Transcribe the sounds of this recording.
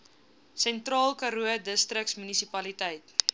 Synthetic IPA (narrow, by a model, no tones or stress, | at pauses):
sɛntrɑːlˠkɐɾuədəstrəksmynisipɐlitəjt